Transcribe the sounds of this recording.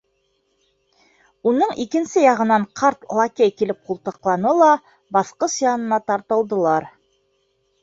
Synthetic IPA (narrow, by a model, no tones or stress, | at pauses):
unɤɴʔikɘ̆nsɘjɑʁɤ̆nɑɴqʰɑɾt̪lˠakʲejkilɘp̚qulˠt̪ɤ̆qlˠɑnɤlˠɑ | bɑsqɤsjɑnɤ̆nɑt̪ɑɾt̪ɤ̆lˠd̪ɤ̆lˠɑɾ